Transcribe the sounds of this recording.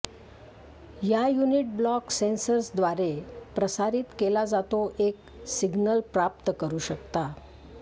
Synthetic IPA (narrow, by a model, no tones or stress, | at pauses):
jajuniʈ̚blɔksensəɾsd̪ʋaɾepɾəsaɾiːt̪kelad͡zat̪oʔek | siɡnəlpɾap̚t̪kəɾuːɕəkt̪a